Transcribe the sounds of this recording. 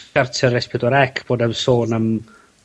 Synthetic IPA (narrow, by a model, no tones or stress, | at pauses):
artʰəɾɛspʰɪdɔɾɛkʰb̥oːdəvsoːnəm